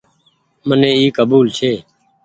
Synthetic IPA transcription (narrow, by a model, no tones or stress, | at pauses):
mənẽːiːkəbuːlt͡ʃʰeː